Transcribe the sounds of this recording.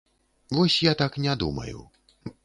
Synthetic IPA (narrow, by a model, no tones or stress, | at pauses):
vɔsʲjat̪aknʲad̪ṵmɐ̰jṵ